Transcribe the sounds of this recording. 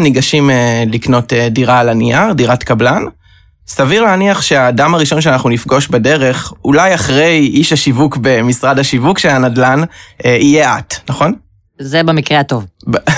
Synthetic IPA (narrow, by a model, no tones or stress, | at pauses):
niɡaʃimelikno̞tediʁaːlaniaʁdiʁatkablan | saviʁleaniaχʃeaːdamaʁiʃo̞nʃeanaχnunifɡo̞ʃbede̞ʁe̞χulajaχʁe̞jiʃaʃivukbe̞misʁadhaʃivukʃelanadlaneijeʔatnaχo̞n | zebemikʁeato̞v